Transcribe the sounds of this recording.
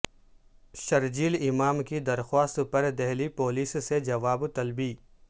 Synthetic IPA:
ʃɐɾd͡ʒiːlɪmaːmkid̪ɐɾxwaːst̪pɐɾd̪ɛɦlipoːliːssed͡ʒɐʋaːbt̪ɐlbiː

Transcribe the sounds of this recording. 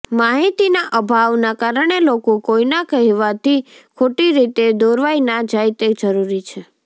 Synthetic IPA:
maɦit̪inaʔəbʱaʋnakaɾəɳ̃elokokoinakəɦiʋat̪ʰikʰoʈiɾit̪ed̪oɾʋajnad͡ʒajt̪ed͡ʒəɾuɾit͡ʃʰe

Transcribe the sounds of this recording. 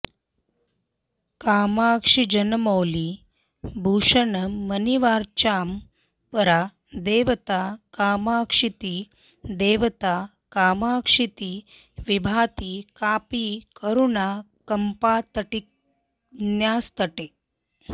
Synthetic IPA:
kaːmakʂid͡ʑənmowli | bʱuːʂənəməniʋaɾt͡ɕam | pəɾa | d̪eʋt̪akaːmaːkʂit̪i | d̪eːʋət̪a | kaːmaːkʂit̪iː | ʋibʱaːt̪iːkaːpikəɾuna | kəmpat̪əʈik | njast̪əʈe

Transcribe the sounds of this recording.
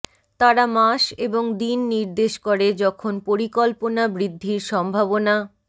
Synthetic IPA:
t̪aɾamaʃeboŋd̪inːiɾd̪eʃkoɾed͡ʑɔkʰonpoɾikɔlponabɾid̪ʱːiɾʃɔmbʱabona

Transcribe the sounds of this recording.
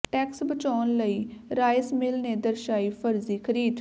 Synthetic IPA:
ʈɛːksbət͡ʃaːnləiːɾaːjsmɪlneːd̪əɾʃaːiːfʰəɾziːkʰəɾiːd̪

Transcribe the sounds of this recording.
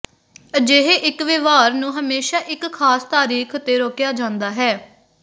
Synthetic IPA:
d͡ʒeɦeʔɪkʋeːʋaːɾnũːɦəmeːʃaːʔɪkʰːaːst̪aːɾiːkʰʊt̪ːeːɾoːkjaːd͡ʒãːnd̪aːɦɛː

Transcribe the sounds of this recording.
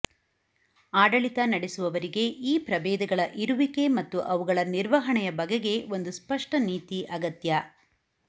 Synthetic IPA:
aːɖɐɭit̪ɐnɐɽesuʋɐʋɐɾiɡe̞ʔiːpɾɐbeːd̪ɐɡɐɭɐʔiɾuʋike̞mɐt̪ːuʔɐʋuɡɐɭɐniɾʋɐɦɐɳɛjɐbɐɡeɡe̞o̞nd̪uspɐʂʈɐniːt̪iʔɐɡɐt̪jɐ

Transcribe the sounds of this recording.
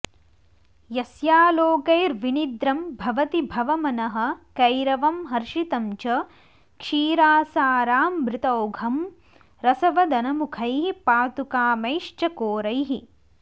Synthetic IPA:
jɐsjaːloːkɐjɾʋinid̪ɾɐmbʱɐʋɐt̪ibʱɐʋɐmɐnɐɦɐ̆kɐjɾɐʋɐmɦɐɾʃit̪ɐmt͡ʃɐ | kʂiːɾaːsaːɾaːmːɾɪt̪ɐwɡʱɐm | ɾɐsɐʋɐd̪ɐnɐmukʰɐjɦipaːt̪ukaːmɐjʂt͡ʃɐkoːɾɐjɦi

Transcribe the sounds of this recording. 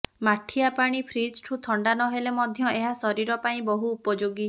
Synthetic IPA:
maʈʰiapaɽ̃ipʰɾid͡ʒʈʰut̪ʰɔɳɖanɔɦelemɔd̪ʱjɔeɦasɔɾiɾɔpaĩbɔɦuːpɔd͡ʒoɡi

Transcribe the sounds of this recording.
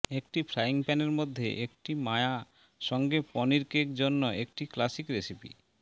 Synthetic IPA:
ekʈifɾaiŋpɛneɾmod̪ʱːḛʔekʈimaea | ʃɔŋɡepɔniɾkekd͡ʑonːoʔek̚ʈiklasikɾesipḭ

